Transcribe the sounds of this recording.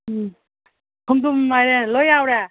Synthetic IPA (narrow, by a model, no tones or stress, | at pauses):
tʰumd̪umːajɾelɔjawɾa